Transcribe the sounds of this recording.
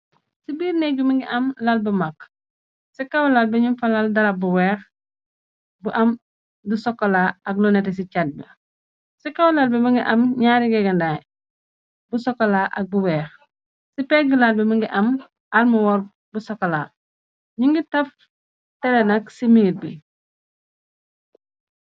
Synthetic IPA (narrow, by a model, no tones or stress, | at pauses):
sibiːɾnɛɡumiŋɡiʔɐmlalbɐmak | sikawlalbɛɲumfalaldɐlabuwɛːx | buʔɐm | dusɔkːɔlaːɐklɔnɛtes̬icad̚bḭ | sikawlalbɛmiŋɡiʔɐmɲaːɾiɡɛɡɐndaj | busɔkːɔlaʔak̚buwɛːx | sipɛːɡilalbɛməŋɡiʔɐm | almuwɔɾ | busɔkːɔlaː | ɲuŋɡitɐf | tɛlɛnɐksimiŋit̚bi